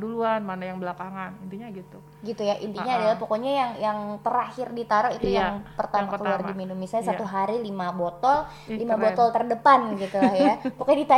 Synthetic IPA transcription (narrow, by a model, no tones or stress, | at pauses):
duluanmanajaŋbəlakaŋanint̪iɲaɡit̪u | ɡit̪ujaʔḭnt̪iɲaːdalahpokoɲajaŋjaŋt̪əɾahɪrdit̪aɾɔit̪ujaŋpərt̪amakəluardiminumisaɲasat̪uɦaɾilimabot̪ɔl | limabot̪ɔlt̪ərdəpanɡit̪ulahjapokodit̪a